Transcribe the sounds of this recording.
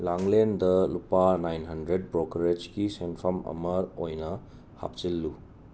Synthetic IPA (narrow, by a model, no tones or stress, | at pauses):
laŋlendɐlupanajnɦɐndɾed̚bɾokɐɾed͡ʒkisenpʰɐmɐ̰mɐɾojnɐ | ha̰p̚t͡ʃilːu